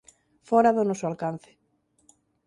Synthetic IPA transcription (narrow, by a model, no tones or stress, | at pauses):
fɔɾaðʊnɔsʊalkan̟θɪ̥